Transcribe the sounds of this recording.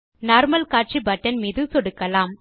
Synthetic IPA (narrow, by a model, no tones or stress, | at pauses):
naːɾmɐlkaːʈ̚t͡ʃibɐʈːɐnmiːðɯsɔɽɯkːɐlaːm